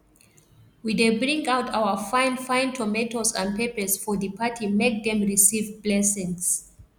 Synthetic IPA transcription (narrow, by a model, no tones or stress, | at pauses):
wiðebɹĩŋɡaʊtʰawə˞fãɪ̃nfãɪ̃ntʰɔmɛtozə̰̃nd̚pepə˞sfɔðɨpʰatʰimek̚ðɛ̃mɹisivblɛsɛ̃ns